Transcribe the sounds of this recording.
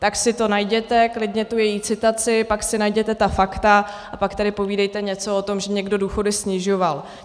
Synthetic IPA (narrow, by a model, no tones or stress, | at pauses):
t̪aksɪt̪o̞najɟɛt̪ɛklɪdɲɛt̪ujɛjiːt͡sɪt̪at͡sɪpaksɪnajɟɛt̪ɛt̪afakt̪a | ʔapakt̪adɪpo̞viːdɛjt̪ɛɲɛt͡so̞ot̪o̞mʒɛɲɛɡdo̞duːxo̞dɪsɲɪʒo̞val